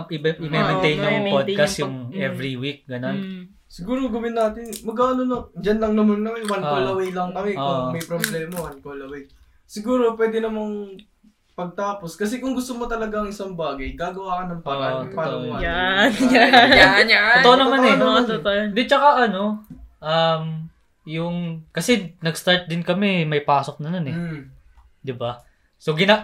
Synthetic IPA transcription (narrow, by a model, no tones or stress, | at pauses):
ɪɪmɛmɛnt̪ɛjnʊpod̪kɐsjʊŋɛvɾiwik̚ɡɐno̞n | sɪɡuːɾoɡɐwɪnːaːt̪ɪnmɐɡ̚kaːɐnonod͡ʒɐnlɐŋnɐmɐnːɐwɐnkolɐwejlɐŋkɐmɛomɐjpɾoblɛːmɐwɐnkolɐwɛj | sɪɡuːɾo̞pwɛːd̪ɛnɐmɐŋ | pɐɡ̚t̪aːposkɐs̬ɛkʊŋɡʊst̪omot̪ɐlɐɡaɐŋɪsaŋbaːɡɐjɡaːɡɐwaːkɐnɐŋpɐaapaoʔojana | aot̪oʔonɐmannɛt̪ʔjɐd̪ɪt͡ʃɐkaʔɐno̞ʔɐm | jʊŋkɐsɛnɐɡst̪aɹt̪̚d̪ɪnkɐmɛmɐjpaːsok̚nɐnanɛ | d̪ɪba | soɡɪna